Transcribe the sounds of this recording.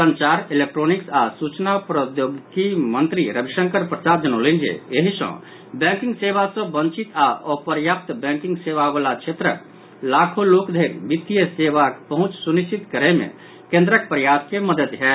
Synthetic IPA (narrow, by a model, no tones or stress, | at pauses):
sənt͡ʃaɾilek̚ʈɾoniksasut͡ʃnapɾəd̪joɡkimənt̪ɾiɾəbʱiʃə̃ŋkəɾpɾəsad̪enolind͡ʒḛeɦisə̰̃ | bɛ̃ŋkiŋɡsebasə̃bənt͡ʃit̪aʔɔpəɾjap̚t̪bɛ̃ŋkĩŋɡseʋabəlat͡ʃʰet̪ɾə̰ | lakʰolokd̪ʱeɾbit̪ːijəsebakpəɦũt͡ʃsunist͡ʃit̪kəɾemḛ | kẽnd̪ɾək̚pɾjaskeməd̪ət̪ɦɛ